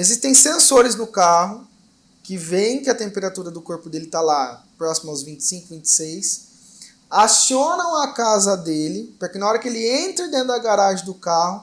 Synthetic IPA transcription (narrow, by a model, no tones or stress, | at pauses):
ezist̪ẽj̃sẽsoɾɪznʊkaɦʊ | kɪvẽj̃kɪɐt̪ẽmpeɾat̪uɾɐd̪ʊkoɾpʊd̪elɪt̪alapɾɔsimɐawzvĩnt͡ʃ̪ɪ̥sĩŋkʊvĩnt͡ʃ̪ɪ̥sejs | asiõnɐ̃w̃ɐkazɐd̪elɪpʊɾkenɐɔɾɐkɪelɪẽnt̪ɾɐd̪ẽnt̪ʊɐɡaɾaʒɪ̃d̪ʊkahʊ